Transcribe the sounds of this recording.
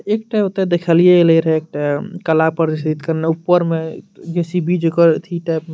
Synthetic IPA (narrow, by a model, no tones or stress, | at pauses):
ek̚ʈaot̪ed̪ekʰəlijeleɾɦek̚ʈakəlapəɾist̪it̪kəɾneupːəɾmeɡesibid͡ʒokəɾt̪ʰiʈɛpme